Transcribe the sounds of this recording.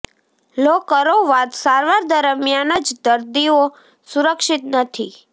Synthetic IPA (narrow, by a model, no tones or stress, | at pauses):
lokəɾoʋat̪saɾʋaɾd̪əɾəmjanəd͡ʒd̪əɾd̪io | suɾəkʃɪt̪nət̪ʰi